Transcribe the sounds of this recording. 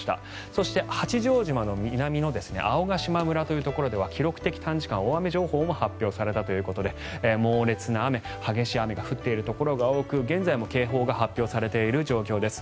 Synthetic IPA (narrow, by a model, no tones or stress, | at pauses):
i̥t̪a̰ | so̞ɕi̥t̪e̞hat͡ɕiʑo̞ːʑimano̞mʲinamʲino̞d̪e̞sɨ̥neʔao̞ɡaɕimamɯ̟ɾat̪o̞jɯ̟t̪o̞ko̞ɾo̞d̪e̞βakʲiɾo̞kɯ̟t̪e̞kʲi̥t̪ʰãɲ̟d͡ʑi̥kãɰ̃oame̞ʑo̞ːho̞ːmo̞hapʲːjo̞ːsaɾe̞t̪at̪o̞jɯ̟ːko̞t̪o̞d̪e̞ː | mo̞ːɾe̞t͡sɨnaːme̞ | haɡe̞ɕiame̞ɡaɸɯ̟t̪ːe̞iɾɯ̟t̪o̞ko̞ɾo̞ɡao̞ːkɯ̟ɡẽ̞nd͡zaimo̞ke̞ːɦo̞ːɡahapʲjo̞ːsaɾe̞t̪e̞iɾɯ̟ʑo̞ːkʲo̞ːd̪e̞sɨ̥